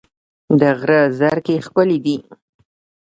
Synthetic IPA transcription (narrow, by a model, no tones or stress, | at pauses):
d̪əɣɾəzaɾkexkəlid̪i